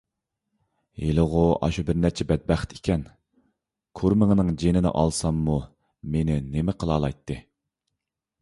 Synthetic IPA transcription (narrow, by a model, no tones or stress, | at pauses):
jelˠɨʁʊɑ̰ʃubɪɾnɛt͡ʃʰɛbɛd̪̚bæχt̪ʰikʲʰɛn | kʰoɾmɨŋnɨŋd͡ʒenɪnɪ̰ʔɑ̰lˠsɑmːu | menɪnemɪqʰəlˠɑːlˠɑjt̪ʰːɨ